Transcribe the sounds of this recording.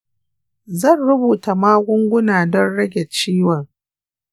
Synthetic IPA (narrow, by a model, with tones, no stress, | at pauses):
zɐ˦˨nɽʊ˦buː˨ta˨maː˦ɡʷʊ˦ŋɡʷʊ˦naː˨dɔ˦nɽɐ˦ɡʲɛ˨t͡ʃiː˦wɔ˨ŋ